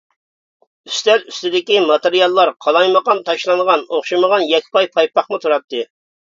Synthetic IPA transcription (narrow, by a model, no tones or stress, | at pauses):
yst̪læɾyst̪ɪd̪ɪkʲimɑt̪eɾijɑlˠːɑɾqʰɑlˠɑjməʁɑnt̪ʰɑʃlˠɑŋʁɑnoχʃiməʁɑnjɛkʲʰːpɑjpʰɑjpɑχmɨt̪ʰuɾɑt̪ːɨ